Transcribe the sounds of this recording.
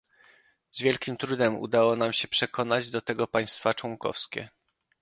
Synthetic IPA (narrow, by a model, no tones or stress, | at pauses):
zvʲjɛlkʲimt̪ɾud̪ɛmṵd̪awɔnamɕɛpʂɛkʰɔnad͡ʑd̪ɔt̪ɛɡɔpaj̃st̪fat͡ʂwɔŋkɔ̰fskʲɛ̰